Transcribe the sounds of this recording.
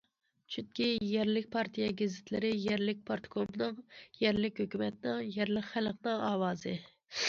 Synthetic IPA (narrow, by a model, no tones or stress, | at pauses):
t͡ʃʰynkʲijɛɾlɪk̚ʲpʰɑɾt̪ʰijɛɡʲezɪt̪ʰlɪɾɪjɛɾlɪk̚ʲpʰɑɾt̪ʰkʰopnɨŋjɛɾlɪkʲhøkʲymɛt̪ɪnɨŋjɛɾlɪqχælqnɨŋɑːwɑːzɨ